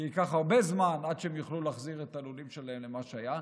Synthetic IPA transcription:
ikaχhaʁbezmanad̪ʃeemjuχlulaːχziʁet̪aalulimʃelaemlemaʃeaja

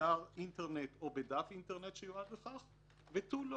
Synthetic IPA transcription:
aʁinteʁnet̪o̞bed̪afinteʁnetʃejoad̪beχaχ | vet̪ul

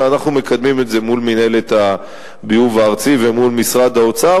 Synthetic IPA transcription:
anaχnume̞kad̪mime̞tze̞mulmine̞let̪a | biuvaːʁt͡sive̞mulmisʁad̪aot͡sa

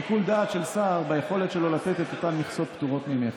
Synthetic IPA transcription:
ikuld̪aːt̪ʃe̞lsaʁbajeχo̞le̞t̪ʃelo̞lat̪et̪et̪o̞t̪amːiχso̞t̚pt̪uʁo̞t̪mime

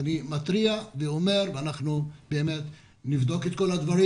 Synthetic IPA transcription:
nimat̪ɾiaveome̞ʁveanaχnubeːmet̪ | nivd̪o̞ket̪̚ko̞lad̪vaɾi

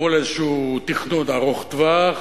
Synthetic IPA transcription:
olezʃuːt̪iχnod̪aʁoχt̪va

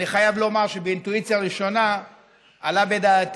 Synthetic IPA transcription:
niχajavlo̞maʁʃebeintuit͡sjaʁiʃo̞na | alabe̞daːt

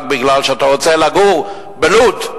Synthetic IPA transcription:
k̚bɪɡlalʃeat̪aʁot͡selaɡuʁ | belut

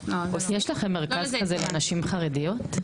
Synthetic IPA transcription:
noojeʃlaχemːeʁkazkazeleanaʃimχaʁedijot̪

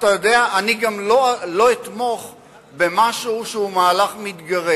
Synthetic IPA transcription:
t̪ajod̪e̞aʔaniɡamlolo̞it̪mo̞χ | be̞maʃuuʃeumaːlaχmit̪ɡaʁe

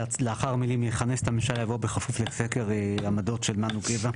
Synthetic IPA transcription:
leaχaʁamilimjeχanese̥t̪ʰamemʃaljavobeχafufleseke̞ʁamad̪o̞tʃe̞lmanuɡeva

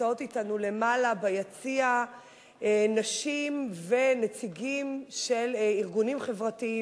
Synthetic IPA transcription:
ao̞titanule̞malabajat͡sia | naʃimve̞net͡siɡimʃe̞liʁɡunimχe̞vʁatii

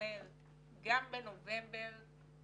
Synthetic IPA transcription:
ɛ | ɡambɛnovɛ̃mbɛɾ

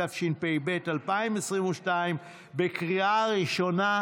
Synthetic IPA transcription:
afʃinpejbetalpaimesʁimuʃtaim | bekʁiʔaʁiʃo̞na

